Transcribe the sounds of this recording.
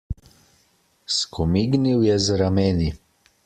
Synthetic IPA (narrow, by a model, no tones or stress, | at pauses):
skʰɔmiɡniwjɛzɾamɛni